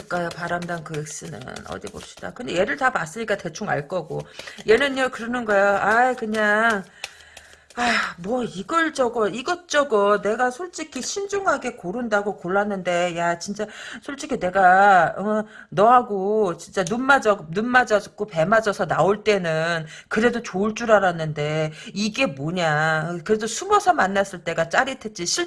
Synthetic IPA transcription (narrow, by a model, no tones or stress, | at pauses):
k͈ajopaɾamdankɯek̚s͈ɯnɯ̰nʌ̰dibo̰p̚ɕ͈i̥d̥a̰kɯnde̞je̞ɾɯɭtapas͈ɯɲik͈ate̞t͡ɕʰuŋa̰ɭk͈ʌɡoje̞nɯnʌkɯɾʌnɯnɡʌeoʔaikɯɲaŋ | amwʌiɡʌɭd͡ʑʌɡʌiɡʌt͡ɕ͈ʌɡʌne̞ɡasʰoɭt͡ɕ͈ikʰiɕʰind͡ʑuŋɦaɡe̞koɾundaɡokoɭːanːɯnde̞jat͡ɕint͡ɕ͈asʰoɭt͡ɕ͈ikʰine̞ɡaʌ | nʌɦaɡot͡ɕint͡ɕ͈anunmad͡ʑʌɡnunːad͡ʑʌd͡ʑk͈ope̞mad͡ʑʌsʰʌnaoɭt͈e̞nɯn | kɯɾe̞dot͡ɕoɭt͡ɕ͈uɾaɾanːɯnde̞iɡe̞moɲakɯɾe̞dosʰumʌsʰʌmanːas͈ɯɭt͈e̞ɡat͡ɕ͈aɾitʰe̞t̚t͡ɕ͈iɕʰiɭ